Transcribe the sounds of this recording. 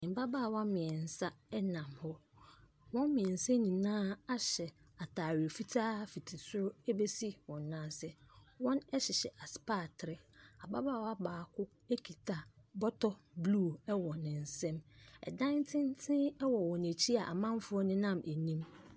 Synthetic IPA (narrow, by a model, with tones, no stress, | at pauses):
ɪ̃˨ba˦baː˦˨wa˦mɪ̃˨ɛ˨n˨sa˦ɛ˦nã˨mhɔ˦ | wɔ̃˦m˦mɪ̃˨ɛ˨n̩˨sɛ˦nĩ˨nãː˦a˦ɕɛ˨ | a˨tʰaː˨ɥɪ˨o˨fi˦tʰaː˦fi˨tʰi˨sʊ˦ɾʊ˦e˦be˦si˦wɔ̃˨nːãː˦sɛ˦wɔ̃˦nɛ˦ɕɪ˨ɕɛ˨ʔa˨spa˦˨tʰɾɪ˨a˨ba˦baː˦˨wa˦baː˨kʰʊ˦ | e˦kʰi˨tʰa˨bɔ˦tʰɔ˦blu˦˨ɛ˦wɔ˨nɪ̃˨n̩˨sɛ̃˦mɛ̰˨dã˦ntʰɪ̃˦n˦tʰɪ̃˦ɛ˦wɔ˨wɔ̃˨næ˨t͡ɕʰi˦a˨ʔa̰˨mã˦m˦fʊ˦ɔ˦nɪ̃˦nã˦mʔæ˨nĩ˦m